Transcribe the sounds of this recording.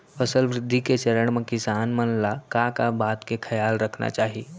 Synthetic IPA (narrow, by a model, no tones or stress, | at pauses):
fəsəlʋɾɪd̪ʱːiket͡ʃəɾəɽ̃mẽkɪsaːnmənlakakabaːt̪kekʰɐjaːlɾəkʰna̰t͡ʃaːɦi